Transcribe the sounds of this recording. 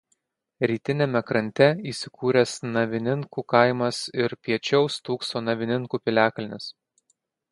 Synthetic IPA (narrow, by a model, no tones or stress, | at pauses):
ɾʲiːt̪ʲɪnʲɛmʲɛkɾɐnʲt̪ʲɛiːsʲɪkuːɾʲɛsnɐʋʲɪnʲɪŋkuːkɐɪmɐsɪɾpʲiɛt͡ʃʲɛʊst̪uːksoːnɐʋʲɪnʲɪŋkuːpʲɪlʲæːkɐlʲɪnʲɪs